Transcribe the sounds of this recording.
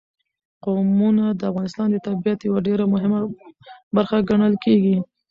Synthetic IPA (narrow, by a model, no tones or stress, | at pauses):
qomunad̪əafɣɑnɪst̪ɑnd̪ət̪abijat̪jawaɖeɾamʊɦɪmabaɾxaɡaɳ̃əlkeɡi